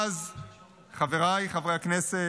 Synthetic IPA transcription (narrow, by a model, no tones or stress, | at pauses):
z | χaveʁajχavʁehaknese